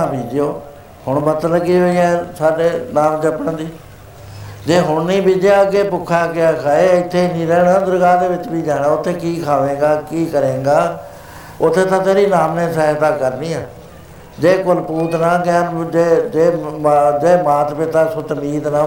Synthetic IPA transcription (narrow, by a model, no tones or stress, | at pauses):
aːbiːd͡ʒɪjoː | hʊɳbət̪ləɡiːɦoːiɛ̃ːsaːɖeːnaːmt͡ʃəpəɳ̃d̪iː | d͡ʒeːɦʊɳnĩːbiːd͡ʒaəɡeːpʊkʰːaːkɪjaːkʰaːeːɪt̪ʰːeːiːnĩːɾɛːɽãːd̪əɾɡaːd̪eːʋɪt͡ʃbiːd͡ʒaːɽãːʊt̪ʰːeːkiːkʰaːʋẽːɡaːkiːkəɾẽːɡaː | ʊt̪ʰːeːt̪ãːt̪eːɾiːnaːmnẽːsəːɦt̪ãːkəɾniːaː | d͡ʒeːkʊlpuːt̪nãːkɛːnd͡ʒeːd͡ʒeːd͡ʒeːmaːt̪pɪt̪aːsʊt̪miːt̪nãː